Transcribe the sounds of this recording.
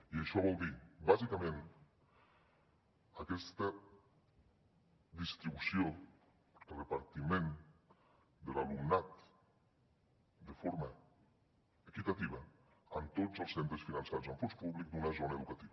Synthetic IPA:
iəʃɔβɔlˠd̪ibazikamẽn | akɛst̪ə | d̪ist̪ɾiβusjo | d̪əlrepaɾt̪imẽn | d̪əlalumnat̪ | d̪əfoɾma | ekit̪at̪iβɐː | nt̪od͡zəlˠsent̪ɾəsfinansaɾzəɱfonspuβlik̚d̪unazonɐeðukat̪iβə

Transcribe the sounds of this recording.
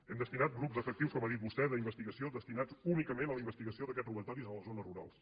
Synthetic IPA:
ɛmd̪əst̪inat̪̚ɡɾupzəfək̚t̪iwskɔmaðit̪̚bust̪ɛðəimbəst̪iɣəsioðəst̪inad͡zunikəmenələimbəst̪iɣəsioðəkɛt̪ruβət̪ɔɾizələzonəruɾa̰lˠs

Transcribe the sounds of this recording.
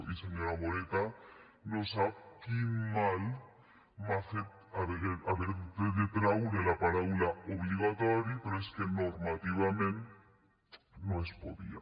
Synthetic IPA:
iseɲoɾaβoɾet̪a | nosaβkimal | maxet̪ | aβeɣeaβeɾðeðet̪ɾawðelapaɾaβulaoβliɣ̞at̪oɾjipeɾoeskeno̞ɾmat̪iβ̞amẽn | noespoðḭa̰

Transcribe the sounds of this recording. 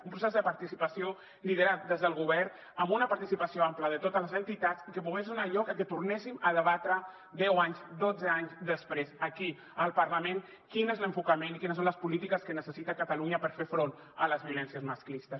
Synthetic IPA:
umpɾusɛzðəpaɾt̪isipasio | lið̞əɾat̪̚d̪ezðəlˠɣ̞uβɛɾ | əmbunəpaɾt̪isipasioampləðət̪ot̪ələzənt̪it̪at̪t͡sikəpuɣesunaʎɔkəket̪urnɛsiməðəβat̪ɾə | d̪ɛwaɲzd̪od͡zəaɲzðəspɾezaki | əlˠpərlamẽn | kinezləɱfukamẽnikinəs̬õnləspulit̪ikəskənəsəsit̪akat̪aluɲəpəɾfefɾon | ələzβiulɛnsijəzmasklist̪əs

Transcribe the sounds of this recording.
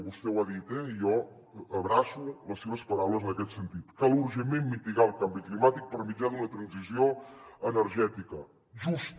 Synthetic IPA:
βust̪ɛwaðit̪ɛjɔ | əβɾasuləsːeβ̞əspəɾawləzənəkɛt̪sənt̪it̪kalˠuɾʒəmemmit̪iɣaəlˠkambiklimat̪ik̚pəɾmid͡ʒad̪unət̪ɾənzizioənəɾʒɛt̪ikə | ʒust̪

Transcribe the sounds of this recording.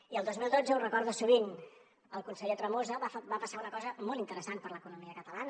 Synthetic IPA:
iəlˠd̪ozmilˠd̪od͡zəurəkɔɾðusuβ̞in | əlˠkunsəʎet̪ɾəmozəβbapəsaunəkɔzəmɔlˠt̪int̪əɾəsanpəɾləkunumiəkət̪əlan

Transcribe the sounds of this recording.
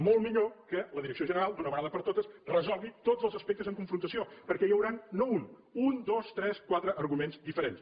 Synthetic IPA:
molˠmiʎokələðiɾəksioʒənəɾalˠd̪unəβəɣaðəpəɾt̪ot̪əsrəzɔlˠɣit̪ozəlˠzəspɛk̚t̪əzəŋkuɱfɾunt̪əsiopəɾkɛjəwɾanːoun | und̪ost̪ɾɛskwat̪ɾəʔːɾɣumenzd̪ifəɾens

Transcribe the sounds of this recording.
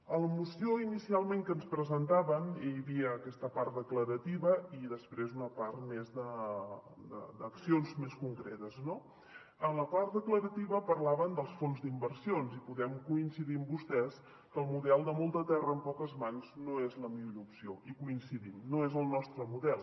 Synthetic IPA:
ələmusioinisialˠmeŋkənspɾəzənt̪aβəmeʎβiəːkɛst̪əpart̪̚d̪əkləɾət̪iβəiðəspɾezunəpart̪mezd̪ə | d̪ə̰d̪əksionzmeskuŋkɾḛt̪əzno | ənləpart̪d̪əkləɾət̪iβəpəɾlaβənd̪əlˠsfonzd̪imbərsionzipuðɛmkuinsiðiəmbust̪ɛs | kəlˠmuðɛlˠd̪əmolˠt̪ət̪ɛrəːmpɔkəzmanznoezləmiʎʎoupsioʔikuinsiðimnoezəlˠnɔst̪ɾəmuðɛlˠ

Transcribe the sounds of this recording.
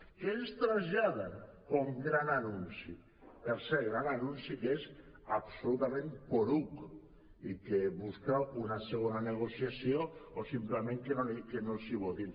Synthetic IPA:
kenst̪ɾaʒaðakomɡɾananunsi | peɾsɛɾɣɾananunsikes | apsolut̪amẽnpoɾuk | ikeβuskawunaseɣ̞onaneɣ̞osiasjoosimplemẽŋkenonkenonsiβot̪in

